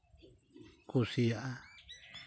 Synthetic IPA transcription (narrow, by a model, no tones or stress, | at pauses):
kusiaʔa